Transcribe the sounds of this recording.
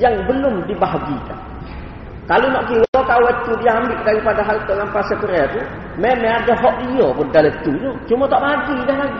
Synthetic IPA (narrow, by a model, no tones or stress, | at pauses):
jaŋbəlʊmdibaɦaɡika̰n | kalonɔʔkiwɔkawət̪udiambɪʔdaɾipadaɦalt̪ɔŋampasəpəɾɛt̪u | memeadaɦɔʔdijɔpʊndalət̪uɲɔt͡ʃumɔt̪ɔʔbaɡidɛɦlaɡi